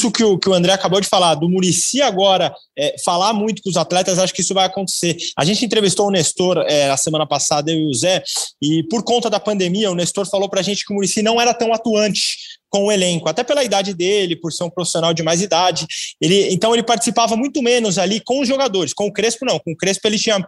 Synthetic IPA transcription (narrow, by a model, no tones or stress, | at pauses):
sʊkɪʊkɪʊɐ̃nd̪ɾɛakabowd͡ʒɪfalaɾd̪ʊmuɾisiaɡɔɾɐ | ɛfalaɾmũj̃t̪ʊ̥kʊzat̪lɛt̪ɐzaʃʊ̥kɪisʊvajakõnt̪e̥seɾa̰ʒẽnt͡ʃɪẽt̪ɾevist̪owʊnest̪oɾɛɐsemɐ̃nɐpasad̪ɐʊuzɛɪpoɾkõt̪ɐd̪ɐpɐ̃nd̪emiɐʊnest̪oɾfalowpɾɐʒẽnt͡ʃɪkɪʊmuɾisinɐ̃w̃ɛɾɐt̪ɐ̃w̃at̪uɐ̃nt͡ʃɪ̥kõw̃ʊelẽŋkʊat̪ɛpelɐid̪ad͡ʒɪd̪elɪpoɾseɾũpɾofi̥sionawd͡ʒɪmajzid̪ad͡ʒɪelɪḛ̃nt̪ɐ̃w̃elɪpaɾt͡ʃɪ̥sipavɐmũj̃t̪ʊmẽnʊzalikõʊzʒoɡad̪oɾɪskõʊkɾespʊnɐ̃w̃kõʊkɾespʊelɪt͡ʃĩɲɐ